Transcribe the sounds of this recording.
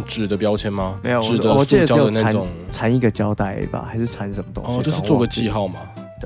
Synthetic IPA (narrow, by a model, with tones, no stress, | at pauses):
ʈ͡ʂɻ̩˨˩d̪ə˦pjɑ˥ʊt͡ɕʰjɛ˧˥nma˨me˧˥˦o˨wɻ̩˨˩d̪əɔ˧˨t͡ɕi˥˨˧d̪ə˥˩ə˧na˥˩a˧˦nʊ˨˦t͡sʰa˧˥ni˥˩ɡə˩t͡ɕjɑ˦ʊt̪a˥˩ɪə̰˧˩ɪba̰˨˦xa˧˥ɪʂɻ̩˥˩t͡sʰa˧˦nʂə˧˥nmə˨t̪õ̰˧˥˦t͡ɕo˥˧ʂɻ̩˥˧t͡swɔ˥˨ɡə˨˩t͡ɕi˥˧xɑ˥˨ʊma̰˨˩ | d̪ə˩